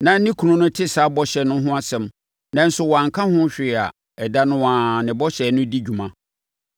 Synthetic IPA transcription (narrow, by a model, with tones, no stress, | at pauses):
nã˨n̩˦nĩ˦kʰu˨nʊ̃˦nʊ̃˦tʰɪ˦saː˨˦bɔ˦ɕɛ˨nʊ̃˦ɦʊ̃˦a˦sɛ̃˨m | nã˨n̩˦sʊ˨wɔ˨a˨ŋ˨kʰã˦hʊ̃˦ɕᶣɪ˨a̰˨ | ɛ˨da˦nʊ̃˦ãː˨˦nɪ̃˨bɔ˦ɕɛ˨nʊ̃˦di˦d͡ʑᶣu˨mã˦